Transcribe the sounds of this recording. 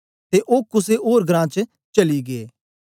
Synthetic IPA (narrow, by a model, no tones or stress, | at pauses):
t̪eʔoːkʊseʔoːɾɡɾãːt͡ʃə | t͡ʃɐliɡeeː